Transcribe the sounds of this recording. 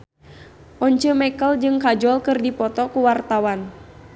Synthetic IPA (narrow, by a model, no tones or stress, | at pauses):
ʔɔɲt͡ʃəmɛkəld͡ʒɨŋkad͡ʒɔlkɨrdipɔt̪ɔkuwart̪awan